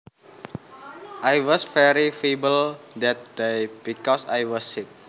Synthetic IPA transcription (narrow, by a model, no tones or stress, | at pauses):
ʔajwɔsfɛɾifibəld̪ɛt̪̚dejb̥ikɔsajwɔsːit̚